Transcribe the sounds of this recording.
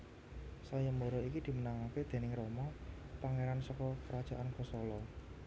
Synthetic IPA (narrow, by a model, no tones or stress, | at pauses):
sajamoɾɔikid̪̥i̤mənaŋaked̪̥e̤nɪŋɾomɔ | paŋeɾansɔkɔkəɾad̥ʒ̥a̤ʔankɔsɔlɔ